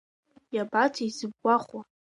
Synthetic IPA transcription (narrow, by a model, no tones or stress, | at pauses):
jabatʰizɨb̚ɡʷaχwa